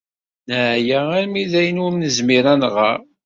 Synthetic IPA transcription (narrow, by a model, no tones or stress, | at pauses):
nəʕjææɾmiðæjənuɾmnəzmiɾænʁa̰ɾ